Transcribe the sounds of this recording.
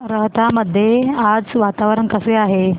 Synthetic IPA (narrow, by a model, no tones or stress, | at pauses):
ɾəɦt̪aməd̪ʱːjead͡zʋat̪aʋɾəɳkəseaɦe